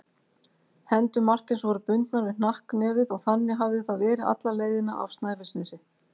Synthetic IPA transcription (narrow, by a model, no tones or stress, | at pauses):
hɛnt̪ʏmːar̥t̪ɪnsvɔɾʏpʏnt̪naɾvɪn̥ahknɛːvɪðɔɣθanːɪɦavðɪθaðvɛːɾɪa̰t̪laleːjðɪna̰ʔa̰v̥st̪naːjvɪsnɛsɪ